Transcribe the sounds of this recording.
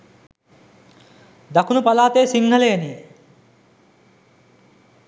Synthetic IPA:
d̪akʰunupalaːt̪eːsiŋɡɐleeni

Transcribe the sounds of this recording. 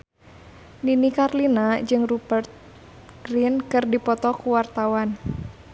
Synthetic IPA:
ninikarlinad͡ʒɨŋrubərt̪̚ | ɡ̥ɾinkɨrdipɔt̪ɔkuwart̪awan

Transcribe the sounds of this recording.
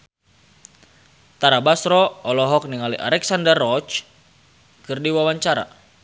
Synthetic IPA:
t̪aɾabasɾɔɔlɔɦɔk̚niŋaliʔa̰ɾɛksandərːɔt͡ʃ | kɨrdiwawaɲt͡ʃaɾa̰

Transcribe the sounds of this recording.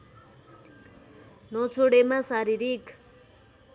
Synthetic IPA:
nʌt͡sʰoɽemasaɾiɾik

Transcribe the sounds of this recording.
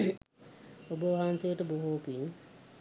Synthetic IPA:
obəʋaɦansejəʈəboɦoːpiɲ

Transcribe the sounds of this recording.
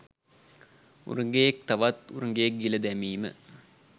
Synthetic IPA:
ṵɾuŋɡejek̚t̪ɐʋɐt̪uɾuŋɡejek̚ɡilɐd̪æmiːmə̰

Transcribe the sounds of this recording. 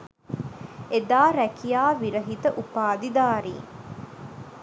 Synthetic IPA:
ed̪aːɾækijaːʋiɾəɦit̪əʔupaːd̪id̪aːɾḭːŋ

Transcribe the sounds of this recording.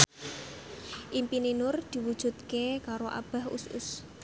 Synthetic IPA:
ʔimpininʊrd̪̥i̤wud̥ʒ̥ṳt̪̚kekaɾoʔa̰b̥a̤hṵsʊ̰s

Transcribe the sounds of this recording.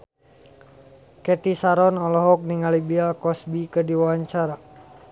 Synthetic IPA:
kɛt̪isaɾɔnɔlɔɦɔk̚niŋalibialkɔsbikədiwawaɲt͡ʃaɾa

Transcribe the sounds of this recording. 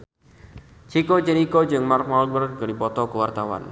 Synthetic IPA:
t͡ʃʰikɔd͡ʒɛnikɔd͡ʒɨŋmark̚mɔlɡərɡənipɔt̪ɔkəwart̪awa̰n

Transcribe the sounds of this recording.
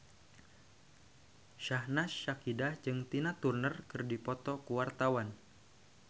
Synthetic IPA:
ʃahnasːakidad͡ʒɨŋt̪inat̪urnərkɨrdipɔt̪ɔkuwart̪awan

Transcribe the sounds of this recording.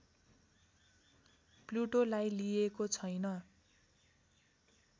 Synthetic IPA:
pluʈolajlijekot͡sʰʌjnʌ

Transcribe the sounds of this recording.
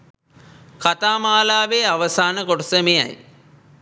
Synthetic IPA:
kat̪aːmaːlaːʋeaʋəsaːnəkoʈɐsəmeja̰j

